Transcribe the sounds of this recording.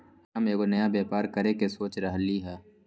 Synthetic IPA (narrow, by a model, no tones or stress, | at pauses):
aːmeːɡonɐjabeːpaːɾkɐɾekesoːt͡ʃɾɐɦliɦɛː